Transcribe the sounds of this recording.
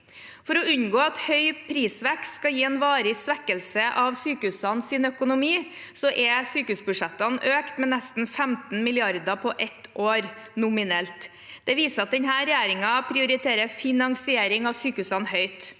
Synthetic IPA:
fɔɾɔʉɲɡoːɑt̪hœʏpʰɾiːsʋɛkst̪skɑjiːɛnʋɑːɾɪsʋɛkəlsəʔɑʋsyːkəʉsɑnsɪnœkʊnʊmiː | sɔʔɛsyːkəʉːsbʉʂɛt̪ːɑnøːkt̪mɛnɛst̪n̩fɛmt̪n̩mɪlɪɑɾd̪ɑpʰɔʔɛt̪ʔoːɾ | nʊmɪnɛlt̪ | d̪̥ɛʋiːsəɾɑt̪̚d̪ɛnɦæːɾɛjeːɾɪŋɑpʰɾɪʊɾɪt̪ʰeːɾəfɪnɑŋsɪeːɾɪŋɑsyːkəʉːsɑnhœʏt̪

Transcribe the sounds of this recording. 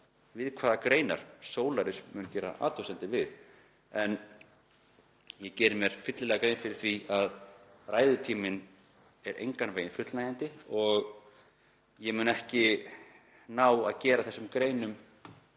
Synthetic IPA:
vɪðkʰvaːðakɾeːjna̰ɾ̥soːwlaɾɪsmʏnc̪jɛːɾa̰ʔa̰ːt̪ʰowsɛnt̪ɪvɪð | ɛn | jɛcɛːɾɪmjɛɾ̥fɪt̪lɪlɛɣakɾeːjnfɪɾɪɾ̥θviað | raːjðʏt̪ʰiːmɪn | ɛɾʔḛjŋkanveːjɪnfʏt̪lnaːjant̪ɪɔɣ | jɛmʏːnaɛhcɪ | naːwa̰ðcɛːɾaθɛsːʏmkɾeːjnʏm

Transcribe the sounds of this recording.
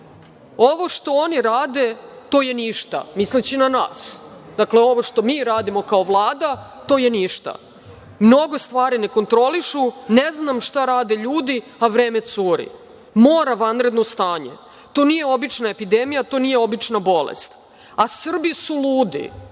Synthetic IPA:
o̞ʋo̞ʃt̪o̞o̞niɾaːd̪e̞ | t̪o̞ːjeniʃt̪a̰mislit͡ɕinana̰ːs | d̪akle̞o̞ʋo̞ʃt̪o̞miːɾaːd̪imo̞kaoʋlˠaːd̪a | t̪o̞ːje̞niʃt̪a̰ | mno̞ɡo̞st̪ʋaːɾine̞ko̞nt̪ɾo̞liʃuneznamʃt̪aɾaːd̪e̞ʎuːd̪i | aʋɾeːme̞t̪suːɾḭ | moːɾaʋanɾe̞d̪nost̪aːɲe̞̰ | t̪o̞ːnije̞o̞bit͡ʃnaepid̪emijat̪o̞ːnijeo̞bit͡ʃnabo̞lḛst̪ | asr̩bisuluːd̪ḭ

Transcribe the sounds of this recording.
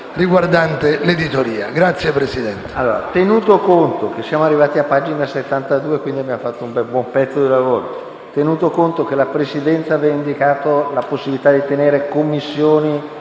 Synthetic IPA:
riɡward̪ant̪eled̪it̪oɾiːa̰ɡɾat̪sːjepɾesid̪ɛnt̪e̥alːo̰ːɾa̰t̪enuːt̪okont̪ok̟esːjaːmoarːivaːt̪iapːaːd͡ʒinaset̪ːant̪ad̪uːekwind̪iabjamfat̪ːoumbɛbwɔmpɛt̪sːod̪ilavoːɾo̰ | t̪enuːt̪okont̪ok̟elapɾesid̪ɛnt̪savɛaind̪ikaːt̪olaposːibilit̪ad̪it̪eneːɾekomːisːjoːni

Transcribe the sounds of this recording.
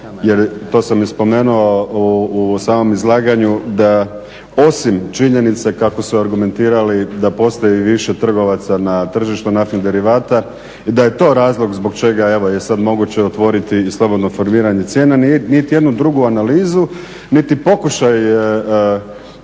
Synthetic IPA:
je̞ɾt̪o̞ːsamispo̞me̞ːnuousaːmo̞mizlˠaːɡaɲud̪a | o̞simt͡ʃiɲe̞nit̪sekako̞suaɾɡume̞nt̪iːɾalid̪apo̞st̪ojiʋiʃe̞t̪r̩ɡo̞ʋat̪sanat̪r̩ʒiʃt̪unafnid̪e̞ɾiʋaːt̪a | id̪aje̞t̪o̞ːɾaːzlˠo̞ɡzbo̞ɡt͡ʃe̞ɡae̞ʋo̞je̞sad̪mo̞ɡut͡ɕe̞ot̪ʋo̞ɾit̪iːslˠo̞bod̪no̞fo̞ɾmiːɾaɲe̞t̪sje̞ːnannit̪ije̞d̪nud̪ɾuɡuanaliːzu | nit̪ipo̞kuʃaj

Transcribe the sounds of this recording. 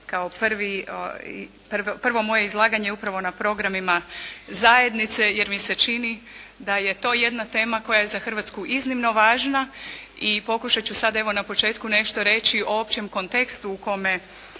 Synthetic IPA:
kaopr̩ʋii | prʋpr̩ʋo̞mo̞je̞izlˠaːɡaɲeupɾaʋo̞napɾo̞ɡɾamimazaje̞d̪nit̪se̞je̞ɾmise̞t͡ʃini | d̪aje̞t̪o̞ːje̞d̪nat̪e̞ːmako̞jajezaxərʋat̪skuʔiznimno̞ʋaːʒna | ipo̞kuʃat͡ɕusad̪e̞ʋo̞napo̞t͡ʃe̞ːt̪kune̞ʃt̪o̞ɾe̞t͡ɕioopt͡ɕe̞mko̞nt̪e̞kst̪uːko̞me

